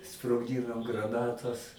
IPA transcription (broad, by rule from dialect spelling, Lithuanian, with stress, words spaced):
sproːɡˈdʲiːnoːm ɡrɐˈnɑːtɐs